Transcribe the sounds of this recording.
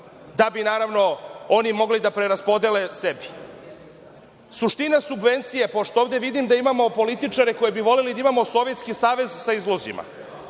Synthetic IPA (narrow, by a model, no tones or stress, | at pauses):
d̪abinaːɾaʋno̞o̞nimo̞ɡlid̪apɾeɾaspo̞d̪elesebi̥ | suʂt̪inasubʋe̞nt̪sijepo̞ʂt̪oovd̪eʋid̪imd̪aimamo̞po̞lit̪it͡ʂaɾeko̞jebiʋo̞le̞lid̪aimamo̞so̞ʋjet̪skisaːʋe̞zsaizlˠo̞zḭma̰